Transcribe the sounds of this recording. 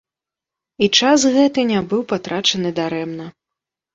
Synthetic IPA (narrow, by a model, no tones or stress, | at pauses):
it͡ʂasɣɛt̪ɨnʲabɨwpat̪ɾat͡ʂɐnɨd̪aɾɛmnɐ